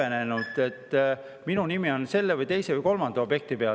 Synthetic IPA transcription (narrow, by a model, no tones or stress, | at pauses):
ene̞nud̪̥e̞t̪ː | minunimio̞nse̞lːevɯjt̪e̞jsevɯjko̞lmɑnd̪̥ɑo̞bje̞k̚t̪ipe̞ɑ